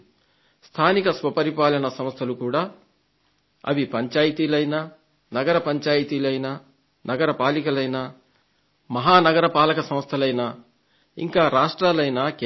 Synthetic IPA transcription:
st̪ʰaːnikɐsʋɐpɐɾipaːlɐnɐsɐmst̪ʰɐlukuːɽaː | ɐ̰ʋipɐɲt͡ʃaːjt̪iːlɐjnaː | nɐɡɐɾɐpɐɲt͡ʃaːjit̪iːlɐjnaː | nɐɡɐɾɐpaːlikɐlɐjnaː | mɐɦaːnɐɡɐɾɐpaːlɐkɐsɐmst̪ʰɐlɐjnaː | ḭŋkaːɾaːʂʈɾaːlɐjnaːk

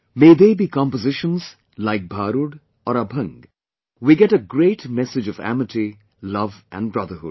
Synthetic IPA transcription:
meːd̪eːbiːkɑ̃mpəzɪʃə̃nz | laɪk̚bʱaːɾʊɖ | ɔɾəbʱʌ̃ŋɡ | wiɡɛʈəɡɾeːʈmɛsɪd͡ʒʌvæ̰mɨtʰi | lʌvʔæ̰̃nbɾʌðəɦʊ̰ɖ

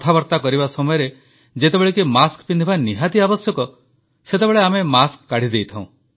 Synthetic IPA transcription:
t̪ʰabɔɾt̪akɔɾibasɔmɔjɔɾe | d͡ʒet̪ebeɭekimaskpind̪ʱibaniɦat̪iabɔsjɔkɔ | set̪ebeɭeamemaskːaɽ̤id̪ejt̪ʰãũ

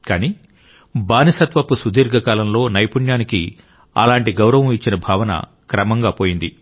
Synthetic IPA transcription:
kaːniː | baːnisɐt̪ʋɐpusud̪iːɾɡʱɐkaːlɐmlo̞ːnɐjpuɳjaːniki | ɐ̰laːɳʈiɡɐwɾɐʋɐmit͡ʃːinɐbʱaːʋɐnɐ̰ | kɾɐmɐŋɡaːpo̞ːjind̪i

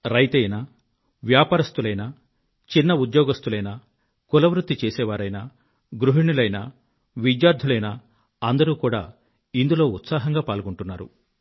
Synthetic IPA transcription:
ɾɐjt̪ɐjnɐ | ʋjaːpaːɾɐst̪ulɐjnɐ | t͡ʃinːɐud̪jɔːɡɐst̪ulɐjnɐ | kulɐʋɾut̪ːit͡ʃeːsɛːʋaːɾɐjnɐ | ɡɾuɦiɳulɐjnɐ̰ | ʋid̪jaːɾd̪ʱulɐjnɐ | ɐnd̪ɐɾuːkuːɽa̰ː | ind̪ulo̞ːut̪saːɦɐŋɡaːpaːlɡuɳʈunːaːɾṵ

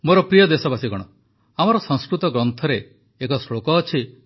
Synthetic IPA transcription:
moɾɔpɾijɔd̪esɔbasiɡɔɽ̃ɔ | amɔɾɔsɔ̃ŋ̃skɾut̪ɔɡɾɔnt̪ʰɔɾeː | kɔsɭokɔːt͡ʃʰi

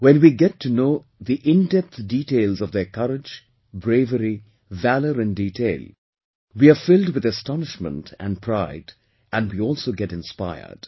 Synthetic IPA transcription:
wɛ̃nwiɡɛtʰːunoː | ðiʔɪ̃ndɛp̚t̪diʈeɪlˠzɔvðəkʰʌɾɪd͡ʒ | bɾeɪvəɾi | væləɾɨ̃nditʰeɪlˠ | wiafɪlˠdwɨðɨstɑnɪʃmə̰̃ntʰæ̰̃npʰɾaɪd | ʔæ̃nwiɔlˠsoːɡɛɾɨ̃nspa̰ɪə̰˞d̥

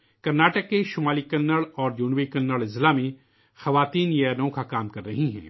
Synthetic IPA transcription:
kɐɾnaːʈəkːeʃʊmaːlikɐnːəɭɔːɾd͡ʒuːnʋikɐnːəɭɪzlaːmẽ | xɐʋaːt̪iːnjɛːnõkakaːmkɐɾːɐɦiɦɛ̰̃ː

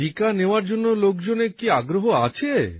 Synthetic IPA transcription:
ikaneoaɾd͡ʑonːolokd͡ʑonekiaɡɾoɦoat͡ɕʰe

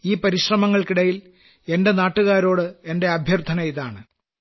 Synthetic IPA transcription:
iːpɐɾiɕrɐmɐŋːɐɭkiɽɐjil | e̞nde̞naːʈːuɣaːɾo̞ːɽɨe̞nde̞ɐbʱjɐrt̪ʰɐnɐiðaːɳɨ

